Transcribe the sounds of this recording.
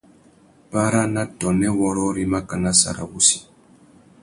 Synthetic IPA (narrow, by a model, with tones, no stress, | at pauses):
pa˦ɾa˦na˦tɔ˨nɛ˦wɔ˦ɾɔ˦ɾi˦ma˦ka˨na˦sa̰˨ɾa̰˨βu˦si̥˦